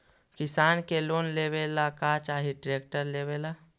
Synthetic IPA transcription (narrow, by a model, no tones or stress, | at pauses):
kɪsaːnkeloːnlebelakat͡ʃaːɦiɖɾeːk̚ʈəɾlebela